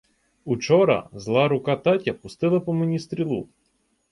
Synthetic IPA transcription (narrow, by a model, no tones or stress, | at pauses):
ut͡ʃɔɾɐ̰zlˠɑɾʊkɑt̪ɑtʲɐpʊst̪ɪlˠɐpɔmenʲist̪ɾʲilˠu